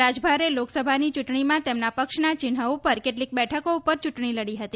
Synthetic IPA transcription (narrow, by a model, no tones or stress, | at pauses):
ad͡ʒbʱaɾeloksəbʱanit͡ʃuʈɳimãt̪emnapəkʃnat͡ʃɪnɦəupəɾkeʈlik̚bɛʈʰəkoupəɾt͡ʃuʈɳiləɽiɦət̪i